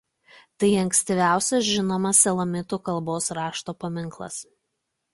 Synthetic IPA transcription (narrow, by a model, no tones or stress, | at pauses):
t̪ɐɪɐŋksʲt̪ʲɪʋʲæˑʊsʲɛsʒʲɪnoːmɐsʲɛlˠɐmʲɪt̪uːkɐlˠˑboːsɾɑːʃt̪oːpɐmʲɪŋˑklˠɐ̰s